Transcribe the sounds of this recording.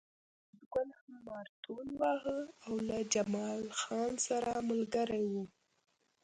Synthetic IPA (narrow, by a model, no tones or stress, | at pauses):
zɡalhamːɑɾt̪unwɑɦəawlad͡ʒamɑlxɑnsaɾamʊlɡaɾajwu